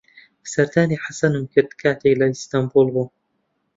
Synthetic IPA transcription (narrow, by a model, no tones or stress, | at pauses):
bsɐɾd̪aːniːħasɐnɨmkɪɾd̪kʰaːt̪ejlaist̪ambulˠbuː